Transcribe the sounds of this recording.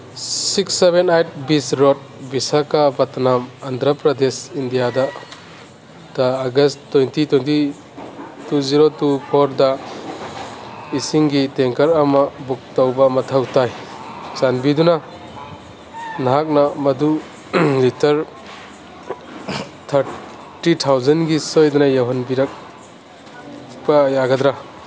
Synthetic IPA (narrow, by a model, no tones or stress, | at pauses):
siksːebenajt̚bisɾɔt̚bisakabatnamand̪ʱɾɐpɾɐd̪esindijada | taːɡɐstːɔjntitwɔjnti | tuziɾotupʰɔɾda | isiŋɡiteŋkɐɾɐmabuk̚tawbɐmɐtʰawtajsanbiduna | naɦak̚nɐmɐdu | litʰɐɾ | t̪ʰɐɾ | titʰawzɐnɡisojdunajaɦɔnbiɾɐk̚ | b̥ajaɡɐd̪ɾa